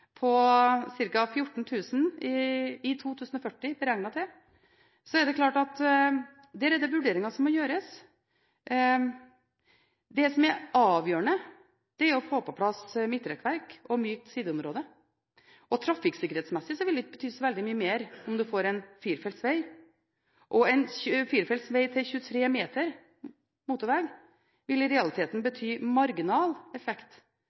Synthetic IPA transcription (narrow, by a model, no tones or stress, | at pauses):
pʰɔsɪɾkɑfjʊʈːɳ̩t̪ʰʉːsn̩ | ɪt̪ʰuːt̪ʰʉːsən̩ɔfœʈːɪbəɾɛŋnɑt̪ʰɛ | sɔɛɖ̪ɛklɑːʈɑt̪ | d̪ɛːɾɛd̪ɛʋʉɖeːɾɪŋɑsɔmːɔjøːɾəs | d̪ɛsɔmæɾɑːʋjøːɾəɳə | d̪̥ɛæɾɔfoːpʰɔpʰlɑsmɪt̪ːɾɛkʋæɾkɔmyːk̚t̪siːd̪əʊmɾoːd̪ə | ʔɔt̪ʰɾɑfɪksɪkːəɾheːt̪smɛsːɪsɔʋɪld̪ɪbət̪ʰyːsɔʋɛld̪ɪmyːəmeːɾɔmd̪ʉfoːɾɛnfiːɾfɛlt̪sʋɛɪ | ʔɔɛnçʉfiːɾfɛlt̪sʋɛɪt̪ʰɪlçʉːət̪ʰɾeːmeːt̪ʰəɾ | muːt̪ʊɾʋɛɡ | ʋɪlɪɾɛɑlɪt̪ʰeːt̪n̩bət̪ʰyːmɑɾɡɪnɑːlɛfɛkt̪